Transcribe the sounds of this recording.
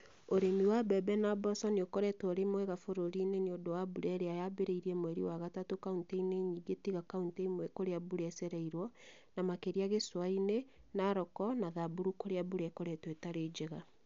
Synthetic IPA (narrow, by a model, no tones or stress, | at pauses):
oɾemiwabɛbɛnabɔsɔniokɔɾɛtwɔɾemwɛɣafoɾoɾineneodowabuɾɛɾeajabeɾeiɾiɛmwɛɾḭwaɣatatokaunteineɲiɡetiɣakaunteimwɛkoɾeabuɾɛsɛɾɛiɾwɔ | namakeɾiaɣeswaine | naɾɔkɔnaðabuɾukoɾeabuɾɛkoɾɛtwetaɾeːd͡ʒeɣa